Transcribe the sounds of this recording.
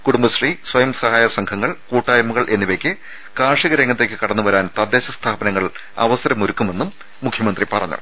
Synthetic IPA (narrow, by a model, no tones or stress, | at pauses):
kuɽumbɐɕriːswɐjɐmsɐhaːjɐsɐŋkʰɐŋːɐɭkuːʈːaːjɐmːɐɣɐɭʔe̞nːiʋɐkʲːɨ | kaːʂiɣɐɾeŋːɐt̪̬ːe̞ːkʲːɨkɐɽɐnːuʋɐɾaːnt̪ɐd̪ːe̞ːɕɐst̪ʰaːbɐnɐŋːɐɭ | ɐ̰ʋɐsɐɾɐmoɾukːume̞nːumː | ukʰjɐmɐnd̪ripɐrɐɲːṵ